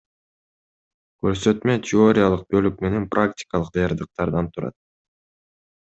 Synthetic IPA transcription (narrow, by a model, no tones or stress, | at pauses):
kø̞ɾsø̞t̪møt̪ʰʲɪo̞ɾʲɪjalˠɯq̚bø̞lyk̚me̞ne̞nprʔaktʲɪ̥kɑlˠɯq̚d̪ɑjɑɾd̪ɯq̚t̪ɑɾd̪ɑnt̪ʰuɾɑ̰t̪̚